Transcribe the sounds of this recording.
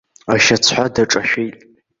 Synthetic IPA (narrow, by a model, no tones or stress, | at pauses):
aʃat͡sʰħʷadaʈ͡ʂʼaʃᶣejtʼ